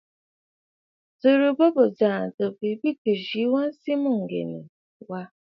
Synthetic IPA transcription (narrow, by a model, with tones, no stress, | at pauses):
tu˨ɾu˨bo˦bo˨d͡ʒa˨do˨bi˨bi˦ku˨ʒi˨i˦wo˦n̩˦si˦mʊ̃˦ŋ̩˨ɡḛ˨nḛ˨ | wa˦